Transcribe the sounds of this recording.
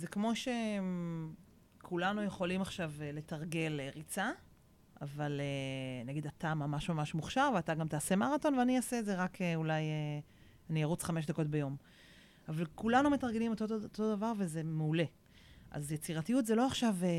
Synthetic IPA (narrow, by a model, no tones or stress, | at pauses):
zekmo̞ʃe̞ | kʰulanujeχo̞limaχʃavle̞taʁɡe̞leʁit͡sa | avalenaɡid̪atamamaʃmamaʃmuχʃaʁveataɡamt̪aːse̞maʁato̞nveaniasetzeʁakeulaje | anijaʁut͡sχame̞ʃ̬d̪ako̞t̚bejo̞m | avalkulanume̞taʁɡe̞limot̪ooto̞d̪avaʁve̞ze̞meule̞ | ʔa̰zjet͡siʁatijutzelo̞aχʃav